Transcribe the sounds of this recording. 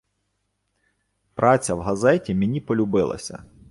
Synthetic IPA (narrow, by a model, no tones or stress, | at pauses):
pɾʔɑt͡sʲɐwɦɐzɛtʲimʲenʲipɔlʲʊbɪlˠɐ̰sʲɐ̰